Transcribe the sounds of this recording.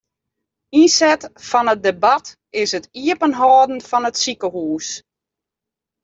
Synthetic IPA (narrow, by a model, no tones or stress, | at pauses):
insɛtfɔnət̚debat | ɪsətiəpənɦɔːdn̩fɔnətsikəhuːs